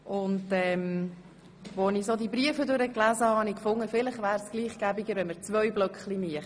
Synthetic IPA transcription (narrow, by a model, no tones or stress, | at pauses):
ʔʊntɛm | vonisodibɾiəfədøɾəklæzəhɑɑnikfʊŋːəfɪlɪχvæːɾsɡ̥liːχɡ̥æbɪɡəɾʋɛnməɾt͡svœʏblœkχliniəχ